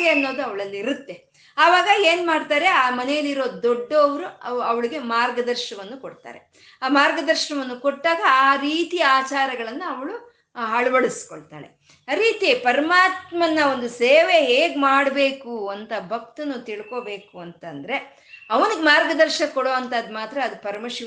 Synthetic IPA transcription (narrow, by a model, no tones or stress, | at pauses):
eɐnːo̞ːd̪uɐʋɐɭɐlːiɾut̪ːe̞ | aːʋaːɡɐe̞ːnmaːɖt̪aːɾe̞aːmɐnɛjɐlːiɾo̞ːd̪oɖːoʋɾuɐɐʋɐɭiɡe̞maːɾɡɐd̪ɐɾʃɐɳɐʋɐnːukoɽt̪a̰ːɾe̞̰ | aːmaːɾɡɐd̪ɐɾʃɐnɐʋɐnːukoʈːaːɡɐaːɾiːt̪iaːt͡ʃaːɾɐɡɐɭɐnːuɐʋɐɭu | ɦɐɭɐʋɐɭiskoɭt̪a̰ːɭe̞̰ | aɾiːt̪ipɐɾɐmaːt̪mɐnːɐo̞nd̪useːʋe̞ɦeːɡmaːɽbe̞ːkuɐnt̪ɐbʱɐk̚t̪ɐnːut̪iɭko̞be̞ːkuɐnt̪ɐnd̪ɐɾe̞ | ɐʋɐniɡemaːɾɡɐd̪ɐɾʃɐkɔɽoːɐnt̪ad̪maːt̪ɾɐːd̪upɐɾɐmɐʃi